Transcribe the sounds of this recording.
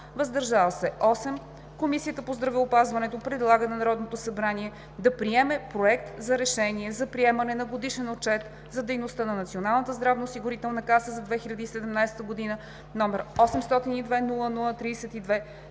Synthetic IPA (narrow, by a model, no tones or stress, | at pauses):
vɐzd̪ɐɾʒavəsɛʔɔsɛm | komisijət̪əpozd̪ɾɐvɛopazvɐnɛt̪opɾɛd̪lˠaɡənɛnɐɾɔd̪not̪osɐbɾaniɛ | d̪ɐpɾiɛmɛpɾoɛk̚t̪zɐɾɛʃɛniɛzɐpɾiɛmɐnɛnɐɡod̪iʃɛnot͡ʃɛt̪ | zɐd̪ɛjnost̪ənɐnɐt̪sionalˠnət̪əzd̪ɾavnəosiɡʊɾit̪ɛlˠnɐkasəzɐd̪vɛxiʎʲɐd̪iːsɛd̪ɛmnajsɛ̥t̪əɡod̪inə | nɔmɛɾɔsɛmst̪ɔt̪inid̪vɛnulˠənulˠət̪ɾiːsɛt̪id̪vɛ